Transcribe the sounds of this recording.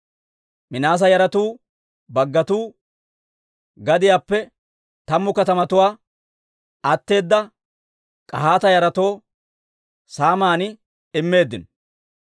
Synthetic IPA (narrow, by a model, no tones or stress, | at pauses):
mɪnaːs̬ɐjɐɾɐt̪uː | bɐɡːɐt̪uː | ɡɐd̪ɪjaːpːɛ | t̪ɐmːʊkɐt̪ɐmɐt̪ʊwaː | ɐt̪ːe̞ːd̪ːɐ | kʼɐɦaːt̪ɐjɐɾɐt̪o̞ː | saːmaːnɪ | ɪmːe̞ːd̪ːɪn